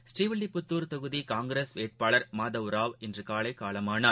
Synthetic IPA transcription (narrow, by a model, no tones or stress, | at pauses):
sʈɾiːʋɪɭːipːʊt̪ːuːɾt̪ɐɣɯðikaːŋɡɾeːsʋeːʈ̚paːɭɐɾmaːðɐʋɾaːʋɛndrɯkaːɭɐɪkːaːɭɐmaːnɐ